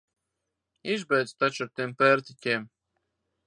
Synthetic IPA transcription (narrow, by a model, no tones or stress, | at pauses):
izbɛjd̪st̪at͡ʃaɾt̪empɛɾt̪itʲeːm